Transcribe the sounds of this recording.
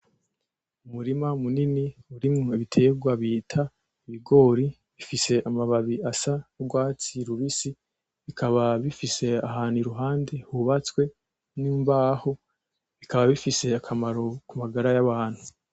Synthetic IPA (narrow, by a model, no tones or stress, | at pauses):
umuɾimamuniniuɾimŋo̞iβitʰe̞ɡwaβiːtʰa | iβiɡo̞ːɾi | βifise̞ʔamaβaβiasanuɡwaːt͡siɾuβisi | βikʰaβaβifise̞aɦaːniɾuɦaːnde̞huβat͡swe̞ | nimbaːho | βikʰaβaβifise̞akʰamaɾo̞kumaɡaɾajaβaːnhu